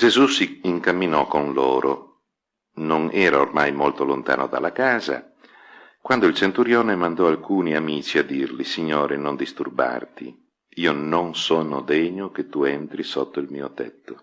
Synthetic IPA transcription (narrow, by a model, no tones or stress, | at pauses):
d͡ʒezusiːŋkamːinɔkːonloːɾʔo | nonɛːɾaormajmolt̪olont̪a̰ːnod̪a̰lːakaːza̰ | kwand̪oilt͡ʃent̪uɾjɔːnemand̪ɔalkuːniamiːt͡ʃiad̪ːirlisiɲːoːɾenond̪ist̪urba̰rt̪ḭ | iːononsɔːnod̪ɛɲoket̪ːuɛnt̪ɾisɔt̪ːoilmiːot̪ɛt̪ːo